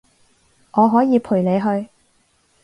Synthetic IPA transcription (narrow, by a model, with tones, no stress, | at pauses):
ʔɔː˨˧ɦɔː˨˥jiː˨˧pʰuː˨˩jle˨˧jɦɵ˧ɥ